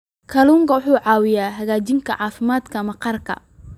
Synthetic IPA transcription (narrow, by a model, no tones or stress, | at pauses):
kʰɐluːŋkʰɐwʊħuːʕɑːwɪjaːɦɐɣaːt͡ʃɪŋkʰɐʕɑːfɪmaːd̪kʰɐmɐqɑrkʰɐ̰